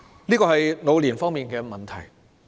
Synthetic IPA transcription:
liː˥kɔː˧hɐ˨jlo˨˧wliː˨˩nfɔː˥ŋmiː˨nkɛː˧mɐ˨nt̪ʰɐ˨˩j

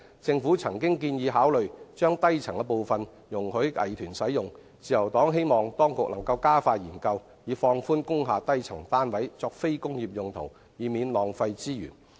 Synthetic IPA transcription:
t͡sɪ˧ŋfuː˨˥t͡sʰɐ˨˩ŋkɪ˥ŋkiː˧njiː˨˧ɦaː˨˥wlɵ˨ɥt͡ʃœː˥ŋt̪ɐ˥jt͡sʰɐ˨˩ŋkɛ˧po˨˧wfɐ˨n | jʊ˨˩ŋhɵ˨˥ɐ̰˨˩jt̪ʰyː˨˩nsɐ˨˥jʊ˨ŋ | t͡siː˨˧jɐ˨˩wt̪ɔː˨˥ŋɦe˥jmɔː˨ŋt̪ɔː˥ŋkʊ˨k̚lɐ˨˩ŋkɐ˧wkaː˥faː˧t̚jiː˨˩nkɐ˧w | jiː˨˧fɔː˧ŋfuː˥nkʊ˥ŋɦaː˨t̪ɐ˥jt͡sʰɐ˨˩ŋt̪aː˥nwɐ˨˥jt͡sɔː˧k̚fe˥jkʊ˥ŋjiː˨p̚jʊ˨ŋt̪ʰo˨˩w | jiː˨˧miː˨˧nlɔː˨˩ŋfɐ˧jt͡siː˥jy̰ː˨˩n

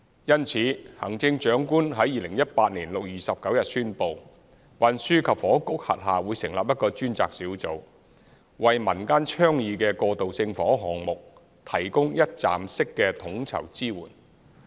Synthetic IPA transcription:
jɐ˥nt͡sʰiː˨˥hɐ̰˨˩ŋt͡sɪ˧ŋt͡ʃœː˨˥ŋkuː˥nɦɐ˨˥jiː˨˩lɪ˨˩ŋjɐ˥t̚paː˧t̚liː˨˩nlʊ˨k̚jyː˨sɐ˨p̚kɐ˨˥wjɐ˨t̚syː˥npo˨˧w | wɐ˨nsyː˥kʰɐ˨p̚fɔː˨˥kʊ˥k̚hɐ̰˨t̚haː˨wuː˨˧jsɪ˨˩ŋlaː˨p̚jɐ˥t̚kɔː˧t͡ʃyː˥nt͡sa̰ː˧k̚siː˨˥wt͡so˨˧w | wɐ˨jmɐ˨˩nkaː˥nt͡ʃʰœː˥ŋjiː˨˧kɛː˧kɔː˧t̪o˨wsɪ˧ŋfɔː˨˥ɦɔː˨ŋmʊ˨k̚ | t̪ʰɐ˨˩jkʊ˥ŋjɐ˥t̚t͡sa̰ː˨msɪ˥kːɛ˧t̪ʰʊ˨˥ŋt͡sʰɐ̰˨˩wt͡siː˥wṵː˨˩n

